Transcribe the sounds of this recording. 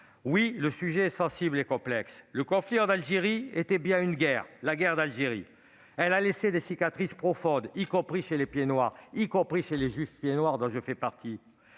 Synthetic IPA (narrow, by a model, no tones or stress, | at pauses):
wiləsyʒeːsɑ̃siblekɔ̃plɛksləkɔ̃fliɑ̃nalʒeʁiet̪ɛbjɛ̃ynɡɛʁlaɡɛʁd̪alʒeʁḭ | ɛlalesed̪esikat̪χispχɔfɔ̃d̪ikɔ̃pχiʃelepjenwaʁikɔ̃pχiʃeleʒɥifpjenwaʁd̪ɔ̃ʒəfɛpaʁt̪i